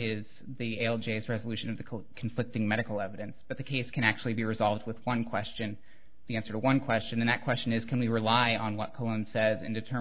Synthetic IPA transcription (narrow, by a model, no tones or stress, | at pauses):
ɪz̥ | ðieɪɛlˠd͡ʒeɪzɹɛzəlʉʃɨ̃nʌvðɨkʰɱflɪk̚tɪ̃ŋmɛɾɨkl̩ˠɛvɨɾɨ̃nsb̥ʌt̪̚ðɨkʰeɪskʰɨ̃ñæk̚t͡ʃʉl̩ˠibiɹɨzɑlˠvd̚wəðwʌ̃nkʰw̥ɛst͡ʃɨ̃n | ðiæ̃nsə˞ɾəwʌ̃nkʰw̥ɛst͡ʃɨ̃nɨ̃nðɨt̚kʰw̥ɛst͡ʃɨ̃nɪz̥kʰɨ̃nwiɹɨlaɪə̃nwʌt̚kʰəlˠõʊ̃nsɛzɨ̰̃ndɨtʰɜ̃˞